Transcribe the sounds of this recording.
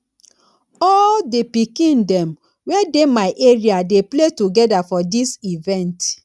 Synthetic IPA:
ɔldepikĩndɛ̃m | wɛdemaɪʔeɹiadepletuɡɛdafɔdisivɛ̃nt

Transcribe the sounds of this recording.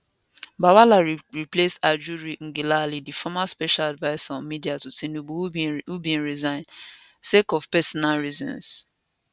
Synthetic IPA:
bawalaɹɹiplesad͡ʒuɾiŋ̩ɡilalidifɔmaspɛʃaladvaɪsaɔ̃nmidiatusinubuhhubĩnɹizãɪ̃n | sekɔfpɛsɔnalɹizɔ̰̃ns

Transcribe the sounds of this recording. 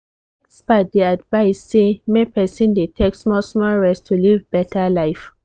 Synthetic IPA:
sbadiadvaɪsːemepɛsĩndetʰeksmɔsmɔɹɛstʰulivbɛtʰəlaɪf

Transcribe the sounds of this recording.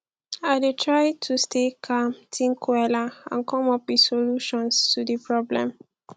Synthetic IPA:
aɪdetʰɹajtʰustʰekʰamtʰĩŋkʰwɛlaã̰nkɔ̃mɔpisoluʃɔ̃nstudipʰɹɔblɛ̰̃m

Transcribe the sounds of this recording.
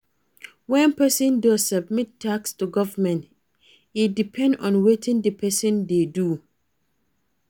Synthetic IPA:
wɛ̃npɛsə̃ndɔzsəb̚mittʰːakstuɡɔvəmɛ̃nt | idipʰɛ̃ndɔ̰̃nwetʰɪ̃ŋdəpʰɛsɨ̃ndedu

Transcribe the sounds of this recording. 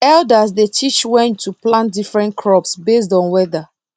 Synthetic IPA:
ɛldasdetʰit͡ʃwɛ̃ntʰːuplãntdifɹɛ̃ntkʰɹɔpsbes̬dɔ̃nwɛða

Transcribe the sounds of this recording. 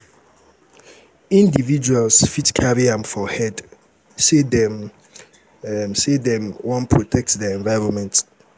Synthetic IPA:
ĩndivid͡ʒualsfitkʰaɹiãmfɔhɛd | sedɛm | sedɛ̃mwɔ̃npʰɹotʰɛk̚tdɛɛ̃nvaɪɹɔ̃nmɛ̃nt

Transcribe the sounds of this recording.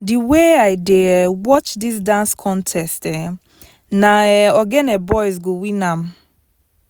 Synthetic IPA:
diweajdewɔt͡ʃdisdãnskʰɔ̃ntʰɛstɛ | naɛɔɡɛnɛbɔjzɡowinãm

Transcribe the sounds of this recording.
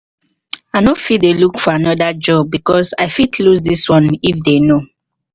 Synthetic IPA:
aɪnofit̚delukfɔanɔdad͡ʒɔb̚ːikɔsaɪfitʰlusdiswɔ̃nifdeno

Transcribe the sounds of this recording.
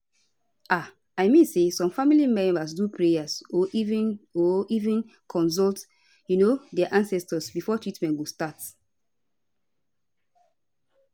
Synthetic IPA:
ʔa | aɪmĩnsesɔ̃mfamilimɛ̃mbas̬dupɹejasoṽnoivĩn | kʰɔ̃ns̬ɔlt | junodɛaʔãnsɛstɔsbifɔtɹitmɛ̃ntɡostat

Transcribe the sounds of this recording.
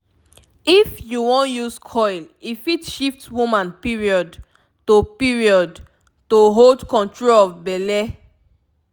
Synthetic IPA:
ifjuwõnjuskʰɔɪl | ifitʃiftwumãnpiɹiɔd | topiɹiɔd | toɦoldkɔ̃ntɹolɔvbɛlɛ

